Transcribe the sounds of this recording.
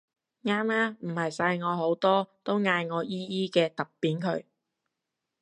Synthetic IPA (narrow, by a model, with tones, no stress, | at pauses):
ŋaː˥maː˥m̩˨˩hɐ˨jsɐ˧jŋɔː˨˧ɦo˨˥wt̪ɔː˥t̪o˥wŋaː˧jŋɔː˨˧jiː˥jiː˥kɛː˧t̪ɐ˨p̚pːiː˨˥nkʰɵ˨˧ɥ